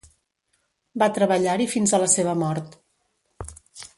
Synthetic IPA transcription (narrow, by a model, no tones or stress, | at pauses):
bat̪ɾəβəʎaɾifinzələseβ̞əmɔɾt̪